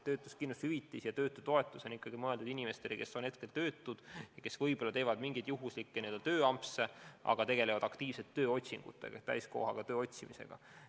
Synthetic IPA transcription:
t̪øːt̪ːˑuskinːushyvit̪ːˑisjɑt̪ø̞ːt̪ːˑut̪oe̞t̪ːˑuso̞nikːˑɑɡ̥imɤe̞ld̪ud̥̪inʲime̞st̪e̞leke̞so̞nhe̞t̪̚ke̞lt̪ø̞ːt̪ːˑud̪̥jɑke̞svɤjb̥o̞lɑt̪e̞ːvɑd̪̥miŋɡ̥id̪̥juɦuslikːenild̪ɑt̪ø̞ːɑmpseʔɑ̰ɡ̥ɑt̪e̞ɡ̥e̞le̞vɑd̪̥ɑkt̪iːv̥set̪ːø̞ːo̞t̪ʲsiŋɡ̥ṵt̪ːˑḛɡ̥ɑt̪æ̰jsko̰hɑɡ̥ɑt̪ø̞ːo̞t̪ʲsimise̞̰ɡ̥ɑ̰

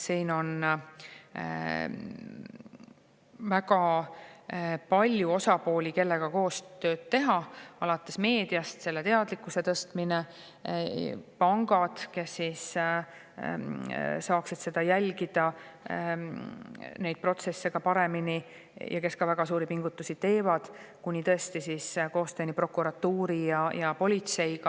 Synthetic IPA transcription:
siːno̞n | væɡɑ | pɑlʲjuo̞sɑpo̞ːlʲike̞lːe̞ɡ̥ɑko̞ːst̪ø̞ːd̪̥̚t̪ːe̞ɦɑɑlɑt̪ːˑe̞sme̞ːd̪̥iɑst̪se̞lːet̪e̞ɑd̪likːˑuse̞t̪ɤst̪mine | pɑŋɡɑd̪̥ke̞sːis | sɑːksid̪̥se̞d̪̥ɑjælʲɡ̥id̪̥ɑ | ne̞jd̪̚pro̞t̪se̞sːeɡ̥ɑpɑɾe̞mini | jʔɑ̰ke̞skɑvæɡ̥ɑsuːɾipiŋɡut̪ːusit̪e̞ːvɑd̪̥kunʲit̪ɤe̞st̪isisko̞ːst̪øːnipro̞kuɾɑt̪ːuːɾijɑjɑpo̞lʲit̪se̞jkɑ

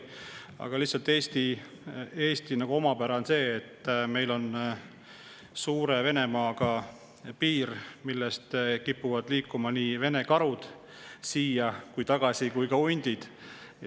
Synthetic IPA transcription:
ɑ̰ɡ̥ɑlihtsɑlt̪ːˑeːst̪i | e̞ːst̪inɑɡ̥uo̞mɑpæɾɑonse̞ːt̪ːˑme̞jlo̞n | suːɾe̞ve̞ne̞mɑːɡ̥ɑ | piːɾmilːest̪kipːuvɑd̪liːkːˑumɑniːve̞ne̞kɑɾud̪̥ | siːjɑkujt̪ɑɡ̥ɑsikujkɑunʲd̪̥id̪̥

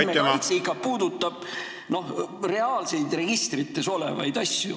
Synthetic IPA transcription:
meɑjt̪seikːˑɑpuːd̪ut̪ːˑɑb̥̚ | no̞hre̞ɑːlse̞jd̪re̞ɡ̥ist̪rit̪ːˑe̞so̞lḛvɑ̰jd̪̥ɑsʲjṵ

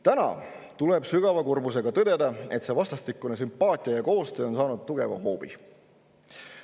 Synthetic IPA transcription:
t̪ænɑ̰ | t̪uleb̥syɡ̥ɑvɑkurbuse̞ɡ̥ɑt̪ɤd̪̥e̞d̪ɑe̞t̪se̞vɑst̪ɑst̪ikːˑunes̬ympːˑɑːt̪ʲːˑijɑjɑko̞ːst̪øːo̞nsɑːnud̪̥̚t̪uɡ̥e̞vɑ̰ɦo̞ːb̥ḭ

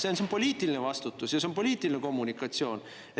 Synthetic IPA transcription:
senseonpo̞liːt̪ːˑilinevɑst̪ut̪ːˑusjɑseo̞npo̞lʲiːt̪ːˑiline̞ko̞mːunikːˑɑt̪sio̞ːn | e

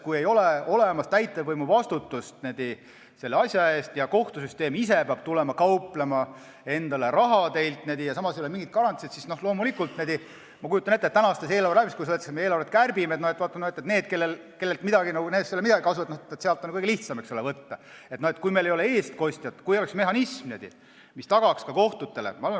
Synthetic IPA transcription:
kuje̞jo̞leolemɑst̪æjt̪ːˑevvɤjmuvɑst̪ut̪ːust̪ned̪i | se̞lːeɑsʲjɑe̞ːst̪jɑko̞ht̪us̬yst̪e̞ːmis̬epeɑb̥̚t̪ulɛmɑkɑuplemɑ | e̞nd̪ɑle̞ɾɑɦɑt̪e̞jlt̪ˑned̪ijɑsɑmɑsejoemiŋɡit̪̚kɑɾɑnt̪sit̪sisno̞hlo̞ːmulikːult̪neːd̪i | mɑkujut̪ːˑɑne̞t̪ːet̪ːænɑɑːst̪ese̞ːlɑɾreɾæːbiskujs̬et̪ːesmeeːlɑɾvet̪̚kærbimet̪nohet̪vɑt̪ːˑɑnohet̪ːˑet̪ne̞ːd̪̥̚ke̞lːelke̞lːelt̪mid̪ɑɡinɑɡuneːsolːemid̪ɑɡikɑsuvɑt̪noet̪net̪seɑlt̪ːˑonkɤɡeliht̪sɑmeksolevɤt̪ːɑet̪noe̞t̪kujmejlejo̞lee̞ːst̪̚ko̞sʲt̪ʲjɑt̪ːkujoleksme̞ɦɑnismned̪ḭ | mist̪ɑɡ̥ɑkskɑko̞ht̪ut̪ːe̞lḛmɑɑle

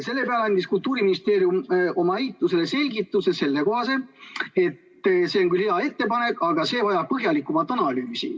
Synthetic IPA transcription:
se̞lːepeɑleɑnd̪iskult̪ˑuːɾiminist̪e̞ːɾjumʔo̞mɑiːt̪ˑluselese̞lɡit̪ːˑusese̞lːeko̞ɦɑsee̞t̪ː | se̞ːoŋkylheɑe̞t̪ːe̞pɑne̞kːɑɡ̥ɑse̞ːvɑjɑb̚pɤɦjɑlikːˑumɑt̪ːˑɑnɑlyːsḭ

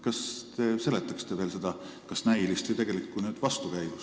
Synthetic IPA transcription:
kɑst̪e̞ːse̞le̞t̪ːˑɑkst̪e̞ve̞ːlse̞d̪̥ɑ | kɑsnæjlist̪ijt̪e̞ɡ̥e̞likːunyːd̪̥vɑst̪ukæjv̥us

